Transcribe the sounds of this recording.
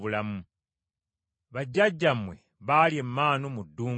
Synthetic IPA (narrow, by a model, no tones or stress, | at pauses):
βulamu | βaɟːaɟːamwe̞ | βaːliemːaːnomudːuː